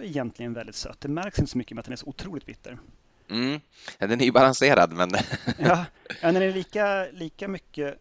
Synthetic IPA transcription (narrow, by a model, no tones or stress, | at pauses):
ɛjɛnt̪lɪɡənvɛld̪ɪt̪sœ̰t̪ːd̪ɛmæɾksɪnt̪ə̥sɔmʏkːəmɛat̪d̪ɛnæʂɔʊt̪ʰɾuːlɪt̪bɪt̪ːəɾ | m̩ː | d̪ɛnæɾjɵbalanseːɾa̰d̪mɛnjɑːjɑːnæɖ̪ɛnɛliːkaliːkamʏkːə